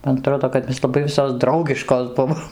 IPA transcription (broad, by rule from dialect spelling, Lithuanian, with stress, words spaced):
mɐn ɐˈtroːdoː kɐt ˈmʲɛs lˠɐˈbɐɪ ˈʋʲɪsoːs ˈdrɐʊɡʲɪʃkoːs ˈbʊʋoːm